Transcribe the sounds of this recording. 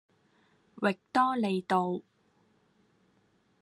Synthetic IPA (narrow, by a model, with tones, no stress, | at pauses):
wɪ˨k̚t̪ɔː˥le˨˧jt̪o˨w